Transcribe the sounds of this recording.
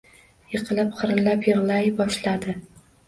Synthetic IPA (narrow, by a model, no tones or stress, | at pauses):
jɨqʰɨlˠɪpqʰɨɾɨlapjɨʁlˠajbɒʃlad̪ɪ